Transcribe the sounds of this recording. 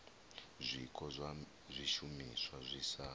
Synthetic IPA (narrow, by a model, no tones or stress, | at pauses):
zʷikʰʼɔ | zʷiʃumiswazʷisaː